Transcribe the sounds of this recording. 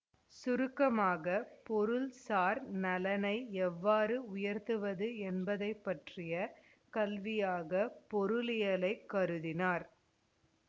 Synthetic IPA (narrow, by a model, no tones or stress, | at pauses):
sʊɾɯkːɐmaːɣɐpɔɾɯlsaːɾnɐlɐnɐɪɛʋːaːɾɯʊjɐɾt̪ɯʋɐðɯɛnbɐðɐɪpːɐʈrɪjɐ | kɐlʋɪjaːɣɐpɔɾɯlɪjɐlɐɪkːɐɾɯðɪnaːɾ